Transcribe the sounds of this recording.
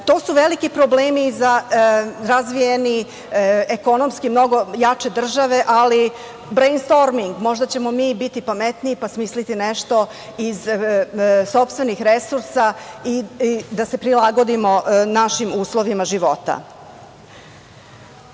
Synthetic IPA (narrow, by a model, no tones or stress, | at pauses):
t̪o̞ːsuʋe̞likipɾobleːmiza | ɾazʋijeni | eko̞nomskimno̞ɡo̞jat͡ʂe̞d̪r̩ʒaʋe̞ʔali | bɾejnst̪o̞ɾmiŋɡmo̞ʒd̪at͡ɕe̞mo̞miːbit̪ipamet̪niːpasmiːslit̪ineʃt̪o̞ | iz | so̞pst̪ʋe̞nixɾesuɾsaid̪ase̞pɾilˠaɡo̞d̪imo̞naʃimuːslˠo̞ʋimaʒiʋo̞t̪a̰